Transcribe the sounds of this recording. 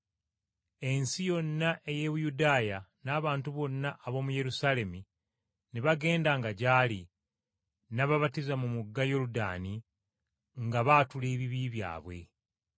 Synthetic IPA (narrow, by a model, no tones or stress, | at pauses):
e̞nsijo̞nːaʔe̞je̞βujudaːjanaːβaːntuβo̞nːaʔːβo̞ːmuje̞ɾusale̞mi | neβaɡe̞ːndaŋɡaɟaːli | naβaβatizamumuɡːajo̞luda̰ːni | ŋɡaβaːtuleːβiβiβja̰ːβwe̞̰